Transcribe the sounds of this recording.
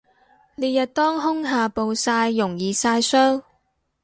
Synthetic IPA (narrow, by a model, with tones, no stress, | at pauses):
ne˨˧jɐ˨t̚t̪ɔː˥ŋɦʊ˥ŋɦaː˨˩po˨wsaː˧jːʊ˨˩ŋjiː˨˩saː˧jsœː˥ŋ